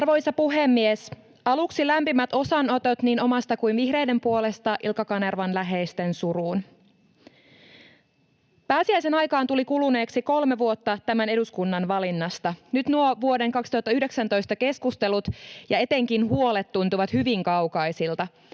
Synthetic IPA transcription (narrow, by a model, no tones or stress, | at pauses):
rʋo̞jsɑpuɦemːies | ɑluksilæmpimæt̪o̞sɑnot̪ot̪niːnomɑst̪ɑkuinʋihre̞jde̞mpuo̞le̞st̪ɑʔḭlkɑkɑnerʋɑnlæɦe̞jst̪e̞nsuɾuːn | pæːsiæjse̞nɑjkɑːnt̪ulikulune̞ːksiko̞lme̞ʋuot̪ːɑt̪æmæne̞duskunːɑnʋɑlinːɑst̪ɑnyt̪nuoʋuo̞de̞ŋkɑksi̥t̪uhɑt̪ːɑyhde̞ksænt̪o̞jst̪ɑke̞skust̪e̞lut̪jɑet̪e̞ŋk̟inɦuo̞let̪ːunt̪uʋɑt̪hyʋiŋkɑwkɑjsilt̪ɑ